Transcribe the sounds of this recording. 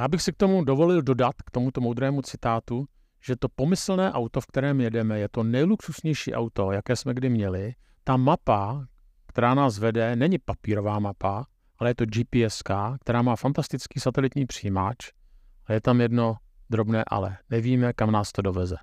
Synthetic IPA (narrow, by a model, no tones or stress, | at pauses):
jaːbɪxsɪk̚t̪o̞mudo̞vo̞lɪldo̞dat̪kt̪o̞mut̪o̞mowd̪ɾɛːmut͡sɪt̪aːt̪u | ʒ̥ɛt̪o̞po̞mɪsl̩nɛːʔawt̪o̞fk̚t̪ɛɾɛːmjɛdɛmɛjɛt̪o̞nɛjluksusɲɛjʃḭːʔa̰wt̪o̞jakɛːsmɛɡdɪmɲɛlɪ | t̪amapa | kt̪ɛɾaːnaːsvɛdɛnɛɲɪpapiːɾo̞vaːmapa | ʔalɛjɛt̪o̞d͡ʒipiɛskaːk̚t̪ɛɾaːmaːfant̪ast̪ɪt͡skiːsat̪ɛlɪt̪ɲiːpr̝̥iːmat͡ʃ | ʔajɛt̪amjɛdno̞ | d̪ɾo̞bnɛːʔa̰lɛ̰nɛviːmɛkamnaːst̪o̞do̞vɛzɛ